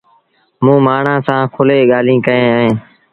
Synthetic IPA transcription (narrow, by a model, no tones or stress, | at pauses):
mũːmaːɳ̤ãːsãːkʰʊleːɠaːlĩːkəẽːɦẽː